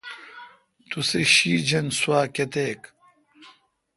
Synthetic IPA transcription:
t̪useɕiːd͡ʑɐnswaːket̪eːk

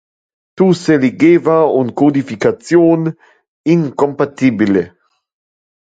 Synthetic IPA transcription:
t̪useleɡeːvauŋkod̪ifikat͡sjoːn | iŋkompat̪ibile

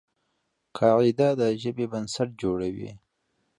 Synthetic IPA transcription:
kʰɑid̪ad̪əʒəbebansaʈ̚d͡ʒoɽawḭ

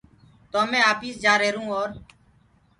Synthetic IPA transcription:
t̪oːmẽːaːpiːsd͡ʒaːɾeːɾũːoːɾ

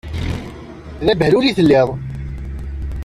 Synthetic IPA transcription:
ðæbhluliθəlːɪðˤ

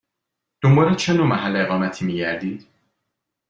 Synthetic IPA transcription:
d̪̥ombɒːɾet͡ʃʰenomæɦælːeeɣɒːmæt̪ʰiːmiːɟæɾd̪iːd̪̥

